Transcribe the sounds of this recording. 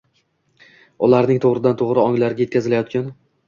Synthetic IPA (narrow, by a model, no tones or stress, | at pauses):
ʊlaɾnɪŋt̪ʰoʁɾɪd̪ant̪ʰoʁɾɪɒŋlaɾɪɡʲajt̪̚kʲazɪlajɒt̪kʲan